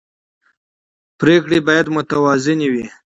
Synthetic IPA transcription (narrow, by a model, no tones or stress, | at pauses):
pɾekɽibɑːjad̪mʊt̪awɑzɪniwi